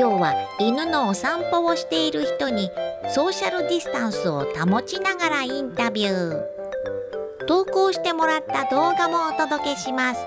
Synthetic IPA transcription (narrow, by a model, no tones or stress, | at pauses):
oːβainɯ̟no̞ːsãmpo̞oɕi̥t̪e̞iɾɯ̟çi̥t̪o̞ɲ̟iso̞ːɕaɾɯ̟d̪ʲisɨ̥t̪ãɰ̃sɨo̞̰t̪amo̞t͡ɕinaɡaɾaĩnt̪abʲjɯ̟ː | t̪o̞ːko̞ːɕi̥t̪e̞mo̞ɾat̪ːad̪o̞ːɡamo̞ːt̪o̞d̪o̞ke̞ɕimasɨ̥